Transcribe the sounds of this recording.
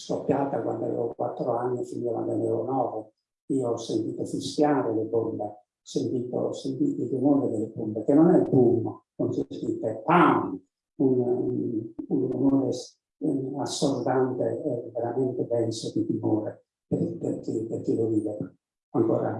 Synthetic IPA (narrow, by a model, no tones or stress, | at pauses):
skopːjaːt̪akwa̰nd̪a̰vḛːvokwat̪ːɾoanːifinakwa̰nd̪anɛːvonɔːvʊ | iːoɔsːent̪iːt̪ofisjaːɾelɪbɔlːe | ɔsent̪iːt̪o̰sent̪it̪ɪt̪imoːɾed̪elɪbumːɛkenːɔnɛbumːokɔnsespit̪ɛpani | un | unumoːɾɛs | asːɔrd̪ant̪eɛvɛɾamɛnt̪ɛbɛnsod̪it̪imoːɾɛ | pepḛrkiperkiloviːvɛɾ | aŋkɔ̰ːɾa̰